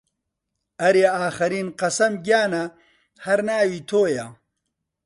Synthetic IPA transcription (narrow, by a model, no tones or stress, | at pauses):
ɐɾeaːxɐɾiːnqɐsɐmɡjaːnɐ | hɐɾnaːwit̪ʰoːja